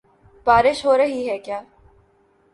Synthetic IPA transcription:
b̥aːɾɪʃɦoːɾɐɦiɦɛkjaː

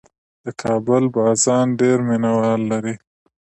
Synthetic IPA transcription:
d̪̥əkʰɑːbʊlbɑzɑnɖeɾmɪnawɑlːaɾi

